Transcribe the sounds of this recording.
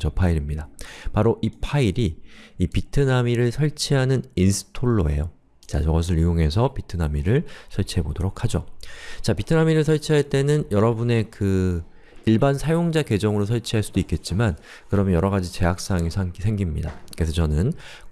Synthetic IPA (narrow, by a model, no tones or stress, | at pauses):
t͡ɕʌpʰaiɾimɲidapaɾoʔipʰaiɾiipitʰɯnamiɾɯɭsʰʌɭt͡ɕʰiɦanɯninsʰɯ̥tʰoɭːo̰e̞̰jo | t͡ɕa̰t͡ɕʌɡʌs̬ʰɯɾɥijoŋe̞s̬ʰʌpitʰɯnamiɾɯɭsʰʌɭt͡ɕʰiɦe̞bodoɾokʰad͡ʑot͡ɕapitʰɯnamiɾɯɭs̬ʰʌɭt͡ɕʰiɦaɭt͈e̞nɯnjʌɾʌbune̞kɯ | iɭbansʰajoŋd͡ʑake̞d͡ʑʌŋɯɾos̬ʰʌɭt͡ɕʰiɦaɭs͈udoik͈e̞t̚t͡ɕ͈iman | kɯɾʌmjʌnjʌɾʌɣad͡ʑit͡ɕe̞ɦak̚s͈aŋisʰasʰe̞ŋɡimɲidakesʰʌt͡ɕʌnɯn